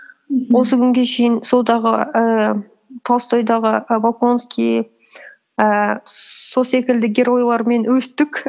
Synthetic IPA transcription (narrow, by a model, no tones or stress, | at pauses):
wo̞səkʲʰʏŋɡʲe̞kʰe̞jɪnsod̪ɑʁəə | t̪ʰɑst̪ʰojd̪ɑʁəbolkonskʲij | ə | sose̞kʲɪld̪ɪɡʲe̞ɾo̞jlˠɑɾme̞nwɵst̪ɪkʲ